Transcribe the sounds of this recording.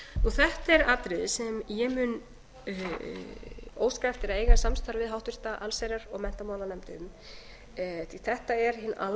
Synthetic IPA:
nuθɛht̪ɛɾat̪ɾɪðsɛmjɛmʏn | o̰ːwskaɛft̪ɪɾaeːjɣḁsamst̪ʰaɾvɪðɦawht̪vɪ̥t̪aʔalseːjɾaɾɔɣmɛn̥t̪amaːwlanɛmt̪ʏʏm | θiθɛht̪aɛɾ̥hɪnːa̰l

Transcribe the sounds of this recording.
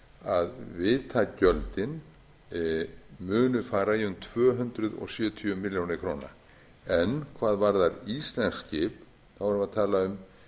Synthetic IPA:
aðvɪːt̪ʰacœlt̪ɪn | mʏːnʏfaːɾaiʏmt̪ʰv̥œːɦʏnt̪ɾʏðɔ̰ɣsjʏːt̪ʰyʏmːɪljownɪkʰɾoːwna̰ | ɛnkʰvaːðvaɾðaɾist̪lɛnscɪp | θavaɾʏmaðt̪ʰaːlaʏm

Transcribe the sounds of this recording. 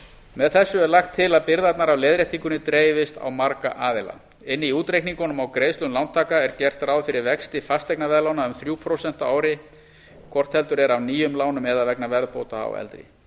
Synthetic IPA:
mɛðθɛsːʏɛɾlaxt̪ʰːɪlaðpɪɾðat̪naɾawlɛːðɾɛjht̪ʰiŋkʏnɪt̪ɾeːjvɪst̪a̰wmaɾka̰ʔaːðɪla̰ | ɪnːɪiuːt̪ɾejkniŋkɔnʏmawkɾeːjslʏmlawnt̪ʰaːkaɛɾcɛr̥t̪rawðfɪɾɪɾvɛkst̪ɪfast̪ɛknavɛːðlawnaʏmθɾjuːpʰɾowsɛn̥t̪aaːwɾɪ | kʰvɔr̥t̪hɛlt̪ʏɾɛɾawniːjʏmlaːwnʏmɛðaðvɛknavɛɾðpoːwt̪aa̰wɛ̰lt̪ɾḭ

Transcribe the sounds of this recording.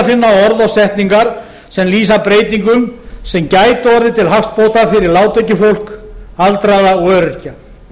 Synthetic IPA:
fɪnːaɔɔɾðawsɛht̪niŋkaɾ̥ | sɛmliːsapɾeːjt̪iŋkʏmsɛmcaːjt̪ɔɾðɪt̪ʰɪlɦafst̪̚powt̪afɪɾɪɾlaːwt̪œɥcʏfowl̥kalt̪ɾaðaœːɾʏ̥ca

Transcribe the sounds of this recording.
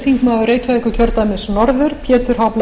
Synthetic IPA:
θiŋkmaːðʏɾeːjcaɛkʏcʰœɾt̪amɪsnɔɾðʏɾ̥pʰjɛːt̪ʏɾ̥ɦapl

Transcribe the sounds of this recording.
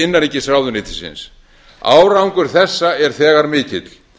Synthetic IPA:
ɪnːanecːɪsɾaːwðʏnɪːt̪ɪ̥sɪ̰ns | a̰ːwɾawŋkʏɾ̥θɛsːaɛɾ̥θɛːɣaɾmɪːcɪt̪l̥

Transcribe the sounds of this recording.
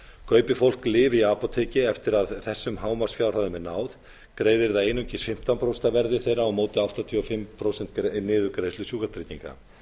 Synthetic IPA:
kʰœːɥpɪfowl̥klɪːviaːpɔt̪ʰeːcɪɛft̪ɪɾaðθɛsːʏmɦaːwmar̥sfjawɾ̥haðʏmɛnaːwð | kɾeːjðɪɾðaeːjnucɪsfɪm̥t̪anpɾowsnt̪avɛɾðɪθejɾaɔɣmoːwt̪ɪaft̪at̪ʰiɔfɪmpʰɾowsɛnt̪nɪːðʏkɾeːjslʏsjuːkaɾt̪ɾiːt̪iŋka̰

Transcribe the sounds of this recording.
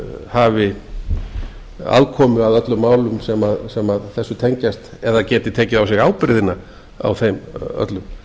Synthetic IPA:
haːvɪ | a̰ðkʰɔːmʏaðœt̪lʏmːaːwlʏmsɛmaðsɛmaðθɛsːʏt̪ʰeɲcast̪ɛðacɛːt̪ɪt̪ʰɛːcɪðawsɪɣawpɾɪðɪna | a̰wθejmœ̰t̪lʏm

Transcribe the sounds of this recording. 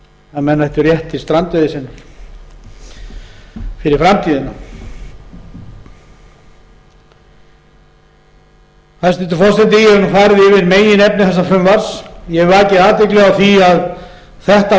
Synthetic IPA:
aðmɛnːaθɛht̪ʏrjɛht̪ist̪ɾant̪ɛðɪsɪnː | fɪɾɪɾfɾamt̪ʰiːðɪna | θast̪ɛt̪ʏɪ̥fɔrst̪ɛnt̪ɪjɛɛɾnfaːɾɪðɪvɪðmeːjɪnɛpnɪθɛsːafʏmvaɾ̥sjɛacɪaːt̪vɪklœɣaθiað | θɛht̪a

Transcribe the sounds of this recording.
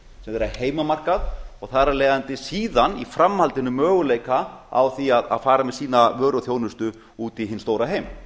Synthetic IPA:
sɛmðɛɾaheːjmamar̥kaðɔɣθaɾalɛːɣant̪ɪsiːðanifɾamhalt̪ɪnːʏmːœːɣʏleːjkaa̰wθiaða̰ðfaːɾamɛðsiːnavœːɾɔθjownʏst̪ʏ | uːt̪iɦɪnst̪oːwɾaɦejm

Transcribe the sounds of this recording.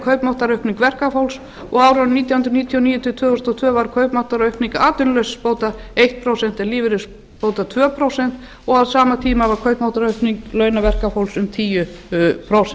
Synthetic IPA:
kʰœɥpmawht̪aɾœɥhpniŋkvɛr̥kafowls | ɔɣaːwɾanniːt̪jawhʏnd̪ɾʏniːt̪ʰiɔniːjʏt̪ʰiɔt̪ʰvœːðɔst̪ɔt̪ʰvœːvaɾkʰœɥpmawht̪aɾœɥhpniŋkaːt̪ʏnlœɥsspoːwt̪aejht̪̚pʰɾowsɛn̥t̪ɛnliːvɪɾɪs | poːwt̪at̪ʰvœːpʰɾowsɛn̥t̪ | ɔɣaðsaːmat̪ʰiːmavaɾ̥kʰœɥpmawt̪aɾœɥhpniŋklœɥnavɛr̥kafowlsʏmt̪ʰiːjʏpʰɾowsɛn

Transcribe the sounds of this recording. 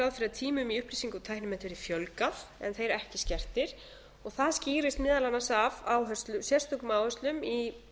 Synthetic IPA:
awðfɪɾaðt̪ʰiːmʏmiʏhpliːsiŋkʏt̪ʰajhnʏmɛt̪vɪɾifjœlkaθɛ̰nθejɾɛhcɪscɛr̥t̪ɪɾ̥ | ɔɣθaðsciːɾɪst̪mɪːðalanːasavaːwɦœ̥st̪lʏmsjɛr̥st̪ʰɔkʏmawhœrst̪lʏmi

